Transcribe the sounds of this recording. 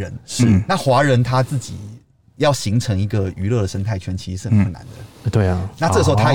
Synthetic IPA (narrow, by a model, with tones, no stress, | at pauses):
ə˧˦nʂɻ̩˥˩na˥˩xwa˧˥ɻə˧˥nt̪ʰa˦t͡sɹ̩˥˩t͡ɕi˨˩ | jɑ˥˨˩ʊɕi˧˥ŋʈ͡ʂʰɤ˧˥ŋi˧˥ɡə˧y˧˥lɤ˥˩d̪ə˩ə˥ŋt̪ʰa˥˩ɪt͡ɕʰɥɛ˧˥nt͡ɕʰi˧˥ʂ̩˧˥ɻ̩˥˩ə˨npʰə˥˩na̰˧˦nd̪ə˨t̪we˥˩na˥˧ʈ͡ʂɤ˥˩˧o˥˧˩t̪ʰa˥˦